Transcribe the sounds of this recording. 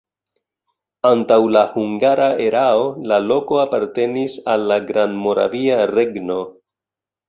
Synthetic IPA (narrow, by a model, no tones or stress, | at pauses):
antawlahuŋɡaɾae̞ɾao̞lalo̞ko̞apaɾte̞nisalːaɡɾanmo̞ɾa̰viaɾe̞ɡno̞